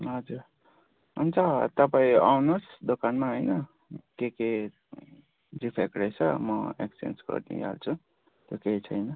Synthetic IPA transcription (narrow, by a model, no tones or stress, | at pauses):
ɦʌd͡zuɾ | munt͡sʰʌt̪ʌpaĩa̰wnosd̪okanmaɦojnʌ | keke | dipʰekɾejt͡sʰʌmʌḛksiḛnsɡʌ̰rnḭja̰lt͡sʰu | t̪joket͡sʰʌjnʌ